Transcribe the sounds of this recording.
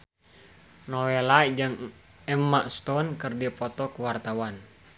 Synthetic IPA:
nɔwelad͡ʒɨŋ | ɛmːaʔst̪ɔnkɨrdipɔt̪ɔkəwart̪awan

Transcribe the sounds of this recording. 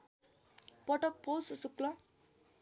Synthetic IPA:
pʌʈʌk̚powssuklʌ

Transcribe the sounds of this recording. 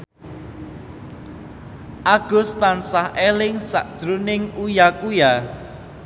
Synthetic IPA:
ʔaɡ̥ʊ̤st̪ansahʔelɪŋsa̰ʔd̥ʒ̥ɾunɪŋujakuja

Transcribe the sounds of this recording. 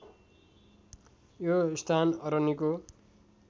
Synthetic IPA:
jost̪ʰanʌɾʌniko

